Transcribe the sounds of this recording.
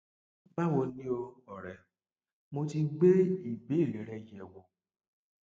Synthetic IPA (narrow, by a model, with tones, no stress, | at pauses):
ɡ͡ba˦wo˧nĩ˦o˧ɔ˨ɾɛ˨ | mo˧ti˧ɡ͡be˦i˦˨be˨˦i˦˨ɾe˨˦ɾɛ˧jɛ˧˨wo˨˧